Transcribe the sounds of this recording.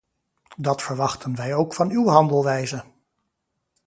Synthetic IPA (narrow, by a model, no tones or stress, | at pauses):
dɑtfəɹʋɑχtənʋɛjowkfɑnywɦɑndəlˠʋɛjzə